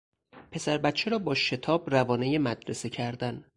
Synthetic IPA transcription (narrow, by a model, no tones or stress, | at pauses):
pʰe̞sæɾbæt̪t͡ʃʰeɾɒːbɒːʃe̞t̪ʰɒːbrævɒːne̞jemæd̪ɾese̞cʰæɾd̪æn